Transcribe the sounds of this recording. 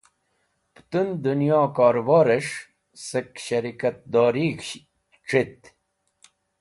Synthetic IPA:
pt̪und̪unjɑːkɑːɾʋɑːɾeʂ | səkɕɐɾikɐt̪̚d̪ɑːɾiː | ʈ͡ʂit̪

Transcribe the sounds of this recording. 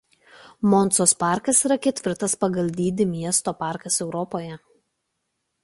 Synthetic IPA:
mɔnt̪soːspɑˑɾkɐsiːɾɐkʲɛt̪ʲʋʲɪɾt̪ɐspɐɡɐlʲd̪ʲiːd̪ʲɪmʲiɛst̪oːpɑˑɾkɐsɛʊɾɔpoːjɛ

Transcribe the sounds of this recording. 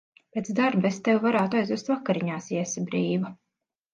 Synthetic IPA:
pʲeːt̪zd̪aɾbest̪ewvaɾaːt̪ajzust̪vakaɾiɲaːsiɛsibɾiːva

